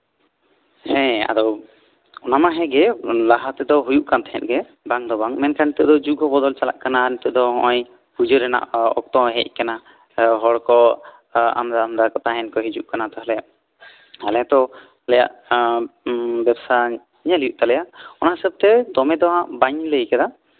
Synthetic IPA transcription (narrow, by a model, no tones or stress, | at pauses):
hɛ̃a̰d̪ɔw | ɔnamaɦɛɡɛlaɦat̪ɛd̪ɔɦujuʔkant̪ɛɦɛ̰t̪̚ɡɛ | baŋd̪ɔbaŋmɛnkanit̪ɛd̪ɔd͡ʒuɡɔbɔd̪ɔlt͡ʃala̰ʔkananit̪ɔʔd̪ɔɦɔ̰̃ʔɔj | pud͡ʒəɾɛna̰ʔɔ̰k̚t̪ɔɦɛ̰c̚ˀkana | ɦɔɽkɔ | a̰md̪aːmd̪akɔt̪aɦɛnkɔɦid͡ʒuʔkanat̪ɔɦalɛjaʔ | halɛt̪ɔ | halɛja̰ʔ | bɛbsa | ɲalijuʔt̪alɛjaʔɔnaɦəsəb̚t̪ɛd̪ɔmɛd̪ɔɦãʔbaɲləjkad̪a